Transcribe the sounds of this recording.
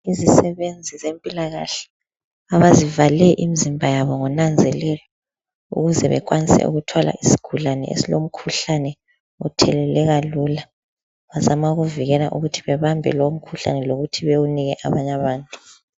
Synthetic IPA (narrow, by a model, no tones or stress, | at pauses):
izisɛβend͡zʱizempʼilaɣa̰ɬɛ̥ | aβazivalɛʔimizimbʱajaβɔŋɔnand͡zʱɛlɛlɔ | ṵɣuzɛβɛ̰kʼwanisɛ̰ṵɣutʰwala̰ʔisi̥ɡ̥ʱulanɛ̰ʔḛsilom̩kʰuɬanɛ | ṵtʰɛlɛlɛɣaluːla | βazamauɣuviɣɛla̰ʔuɣutʰiβɛβambʱɛ̰loom̩kʰuɬa̰nɛloɣutʰiβewuniɣɛʔaβaɲaβaːntʼu̥